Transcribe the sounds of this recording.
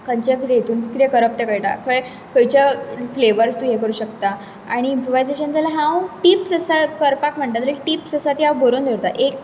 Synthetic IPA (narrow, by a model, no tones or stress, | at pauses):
kəɲt͡ɕakit̪ẽjet̪ʰuːnkit̪ekəɾəp̚t̪ekəjʈa̰kʰəj | kəjt͡ɕjafleʋəɾst̪uɦekəɾuːɕəkt̪a | aɽ̃iːmpɾoʋajzeɕənt͡selaɦãwʈiːpsəsakəɾpakm̤əɳʈ̪at̪əɾiʈiːpsəsat̪iawbəɾond̪ʱeɾt̪a̰ʔek̚